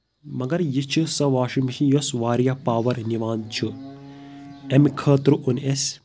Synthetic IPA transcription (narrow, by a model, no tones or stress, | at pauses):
mɐɡɐɾjit͡ʃʰɨsɐʋaːʃimʃĩjosʋaːɾjapaːʋɐɾniʋaːnt͡ʃʰu | emkʰəːt̪ɾuʔunes